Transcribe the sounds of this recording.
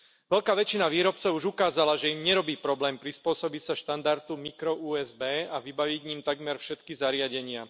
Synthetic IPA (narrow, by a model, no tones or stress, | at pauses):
ʋɛʎkaːʋɛt͡ʃinaʋiːɾɔp̚t͡sɔʊuʒukaːzalaʒɛimɲɛɾɔbiːpɾɔblɛːmpɾispʊɔsɔbicsaʃt̪and̪aɾt̪umikɾɔuːɛzbɛːaʋibaʋiɟɲimt̪aɡmɛɾfʃɛt̪kizaɾɪaɟɛɲɪa